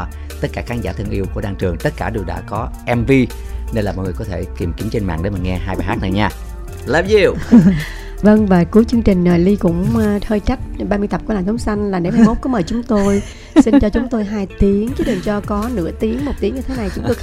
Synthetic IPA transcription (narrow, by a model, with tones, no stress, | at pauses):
t̪ə˦˥t̚kaː˧˩xaː˨˦nzaː˧˩t̪ʰə˧əŋʔi˧wku˧˩ɗaː˧ŋt͡ɕɨ˨˩əŋt̪ə˦˥t̚kaː˧˩ɗi˨˩əwɗa̰ː˧˥kɔ˨˦ʔɛ˧mvi˧ | ne˧nlaː˨˩mɔ̰˧˨ŋ˨˩kɔ˨˦t̪ʰe˧˩ki˨˩mki˨˦mt͡ɕe˧nma̰ː˧˨ŋɗe˧˦mə̈˨˩ŋɛ˧ɦaː˧jɓaː˨˩ɦaː˦˥k̚na˨˩ɲaː˧˩ | lɛ˦˥ji˧˩ | və˧ŋvaː˨˩ku˨˦əjt͡ɕɨ˧əŋt͡ɕï˨˩ŋ̟nəː˨˩li˧kʊ̰˧˥ŋ͡mt̪ʰəː˧jt͡ɕa˦˥k̚ɓaː˧mɨ˧jt̪ə˨˩p̚klaː˨˩nt̪ʰə˨˦ŋ͡msa˧jŋ̟laː˨˩ne˨˧˦mha˧jmo˦˥t̚ku˨˦məː˨˩jt͡ɕʊ˨˦ŋ͡mt̪o˧j | si˧t͡ɕɔ˧t͡ɕʊ˨˦ŋ͡mt̪o˧jɦaː˧jt̪i˨˦əŋt͡ɕɨ˨˦ɗɨ˨˩nt͡ɕɔ˧kɔ˨˦nɨ̰˧˥ət̪i˨˦əŋmo˨˩t̚t̪i˨˦əŋɲɨ˧t̪ʰe˨˦na˨˩jt͡ɕʊ˨˦ŋ͡mt̪o˧